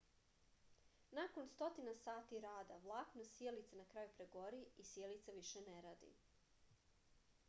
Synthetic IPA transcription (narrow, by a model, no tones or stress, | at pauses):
nako̞nst̪o̞t̪inasaːt̪iɾaːd̪aʋlˠaknosjelit̪sanakɾaːjupɾeɡo̞ɾiisjelit̪saʋiʃeneɾaːd̪ḭ